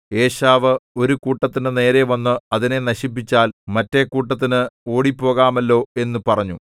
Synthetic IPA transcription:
e̞ːɕaːʋɨo̞ɾukuːʈːɐt̪ːinɨne̞ːɾe̞ʋɐnːɨɐðine̞nɐɕip̬ːit͡ɕːaːlmɐtːe̞kuːʈːɐt̪̬ːinɨo̞ːɽipːo̞ːɣaːmɐlːo̞ːe̞nːupɐrɐɲːu

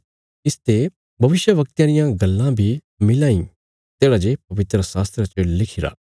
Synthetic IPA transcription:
ɪst̪e | bʱɐʋɪʃjəʋɐk̚t̪jãɾɪjãɡɐlːãbʱi | mɪlaːĩ | t̪eːɽad͡ʒep̚ɐʋɪt̪ɾəsaːst̪ɾət͡ʃəlɪkʰɪɾa̰ː

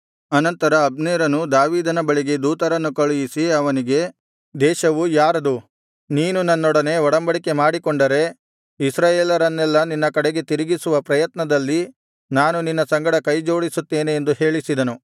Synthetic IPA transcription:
ɐnɐnt̪ɐɾɐːbneːɾɐnud̪aːʋiːd̪ɐnɐbɐɭiɡe̞d̪uːt̪ɐɾɐnːukɐɭujisiɐʋɐniɡe̞ | d̪ɛːʃɐʋujaːɾɐd̪u | niːnunɐnːɔɽɐne̞ɔɽɐmbɐɽike̞maːɽikɔɳɖɐɾe̞ | isɾaːjeːlɐɾɐnːɛlːɐninːɐkɐɽeɡe̞t̪iɾiɡisuʋɐpɾɐjɐt̪nɐd̪ɐlːi | naːnuninːɐsɐŋɡɐɽɐkɐjd͡ʒo̞ːɽisut̪ːeːneːnd̪uhe̞ːɭisid̪ɐnu

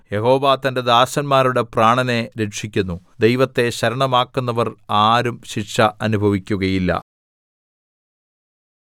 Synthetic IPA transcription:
je̞ɦo̞ːʋaːt̪ɐnde̞d̪aːɕɐnmaːɾuɽe̞praːɳɐne̞ɾe̞kʂikʲːunːu | d̪ejʋɐt̪ːe̞ɕɐɾɐɳɐmaːkːunːɐʋɐraːɾumɕiʈʂɐɐnubʱɐʋikʲːuɣɐjilːɐ̰

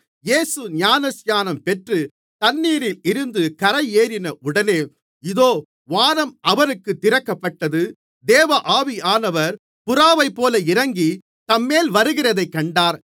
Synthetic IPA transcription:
jeːsɯɲaːnɐsjaːnɐmpɛʈrɯ | t̪ɐnːiːɾɪlɪɾɯnd̪ɯkɐɾɐɪeːɾɪnɐʔʊɽɐneː | ɪðoː | ʋaːɾɐmɐʋɐɾɯkːɯt̪ːɪɾɐkːɐpːɐʈːɐðɯ | d̪eːʋɐʔaːʋiaːnɐʋɐɾ | pʊɾaːʋɐɪpːoːlɐɪɾɐŋɡi | t̪ɐmːeːlʋɐɾɯɣɪrɐðɐɪkːɐɳɖaːɾ

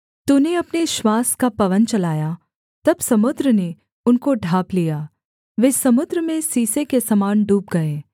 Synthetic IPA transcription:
t̪uneɐpneʃwaːskapɐʋənt͡ʃɐlaːja | t̪ɐbsɐmʊd̪ɾəne | ʊnkoɖʱaːplijaː | ʋeːsɐmʊd̪ɾəmẽsiːsekesɐmaːnɖuːp̚ɡɐẽː

